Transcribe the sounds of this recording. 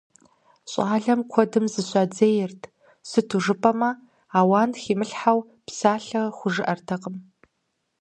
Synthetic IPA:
ɕʼaːɮɐmkʷʰɔdɨmzɨɕʷad͡zejɪrtʰ | sɨtʰuʐɨpʰʼɐmɐ | aːwaːnxiːmɨɬħaw | psaːɬɐχʷʊʐɨʔɐrtʰɐqʼəm

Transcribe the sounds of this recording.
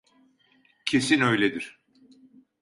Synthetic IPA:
cʰe̞sinøjlʲed̪iɾ̥

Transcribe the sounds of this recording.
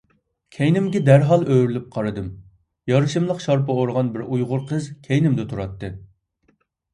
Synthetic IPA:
kʲʰɛjnɪmɡʲɛd̪æɾɦɑlˠøɾylyp̚qʰɑɾɨd̪ɨm | jɑɾɨʃɨmlˠəqʃɑɾpɨoɾʁɑnbɪɾujʁʊɾqʰəzkʲʰɛjnɪmd̪ɪt̪ʰuɾɑt̪ːɨ

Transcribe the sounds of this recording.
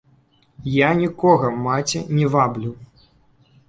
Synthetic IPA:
janʲikɔɣɐmat͡sʲɛnʲɛvablʲuw

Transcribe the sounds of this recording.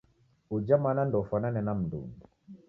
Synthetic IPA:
ud͡ʒamanandɔfananɛnam̩ndṵŋ

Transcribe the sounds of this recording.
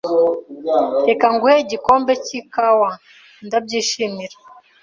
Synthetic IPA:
ekaŋɡuheɟikoːmbecikawa | ndab̚ɟiːʃimiɾa

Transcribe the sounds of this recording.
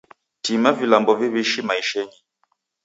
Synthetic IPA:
timavilambɔviβiʃimaiʃɛɲi

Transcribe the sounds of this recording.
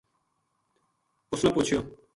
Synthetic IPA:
ʊsnaːpuːt͡ʃʰjoː

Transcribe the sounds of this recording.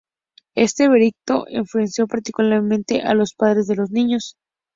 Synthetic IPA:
e̞st̪e̞βe̞ɾik̚t̪o̞̰ʔḭɱflue̞nsjo̞paɾt̪ikulaɾmẽnt̪e̞ʔalo̞spað̞ɾe̞zðe̞lo̞znĩɲo̞s

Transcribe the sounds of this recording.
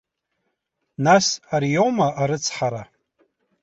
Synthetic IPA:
nasarjomaaɾɨt͡sʰħaɾa

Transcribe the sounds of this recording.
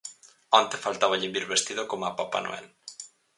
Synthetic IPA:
ant̪efalt̪aβaʎimbiɾβest̪iðokomapapa̰nʔo̰ɛ̰l

